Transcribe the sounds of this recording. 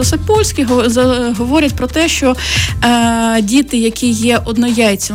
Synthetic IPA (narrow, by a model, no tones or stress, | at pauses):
ɔsepɔlʲsʲkʲiɦɦɔʋɔɾʲɐtʲpɾɔt̪ɛʃt͡ʃɔ | dʲit̪ɪjɐkʲʰijɛʔɔd̪nɔjɑjet͡sʲːɐ